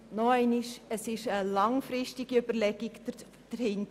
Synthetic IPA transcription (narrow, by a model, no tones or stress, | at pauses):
nɔɛɪniʃəsɪʃəlɑŋfɾɪʃtiɡ̥iøbəɾlɛɡiɡ | d̥əɾhɪntə